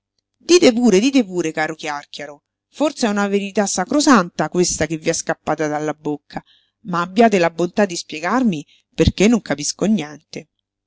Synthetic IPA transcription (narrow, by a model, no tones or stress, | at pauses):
d̪iːt̪epuːɾed̪iːt̪̬epuːɾekaːɾokjark̟jaɾo | fort̪seɛunaveɾit̪asːakɾosant̪akwest̪akevːiaskapːaːt̪ad̪alːabokʰːa | maːbːjaːt̪̬elabont̪ad̪ːispjeɡarmi | perkenːoŋkapiskonjɛnt̪e